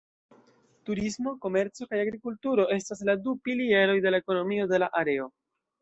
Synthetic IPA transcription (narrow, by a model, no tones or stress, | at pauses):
tuɾismo̞ko̞me̞ɾt͡so̞kajaɡɾikultuɾo̞ʔe̞stas̬ladupilie̞ɾo̞jde̞lae̞ko̞no̞mio̞de̞laʔaɾe̞o̞